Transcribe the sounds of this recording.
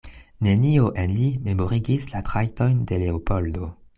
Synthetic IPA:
ne̞nioʔenlime̞mo̞ʁiɡislatʁajto̞jnde̞leopoldo

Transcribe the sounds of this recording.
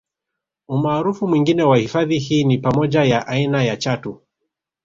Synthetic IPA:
umaːɾufumwiŋɡinɛwahifaðihiːnipamɔʄajaʔainajat͡ʃatu

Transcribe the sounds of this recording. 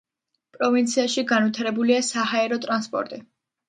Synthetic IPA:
pʼɾɔvint̪sʰiaʃiɡanvit̪ʰaɾɛbuliasahaɛɾɔt̪ʼɾanspʼɔ̰ɾt̪ʼi

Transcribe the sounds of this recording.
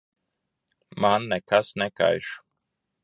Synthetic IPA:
manːɛkasnɛka̰jʃu̥

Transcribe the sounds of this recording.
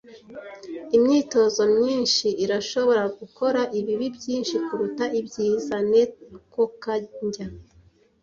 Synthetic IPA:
imɲiːto̞zo̞mɲiːnʃiʔːɾaʃo̞βo̞ɾaɡuko̞ɾaʔiβiβibɟiːnʃikuɾutaibɟiːzane̞kokaɲɟa

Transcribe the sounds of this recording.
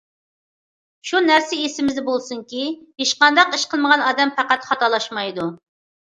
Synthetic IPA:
ʃunæɾsɪesɪmɪzd̪ɛbolˠsuŋkʲieʃqɑnd̪ɑqiʃqəlˠməʁɑnɑːd̪ɛmpæqæt̪χɑt̪ɑlˠɑʃmɑjd̪u

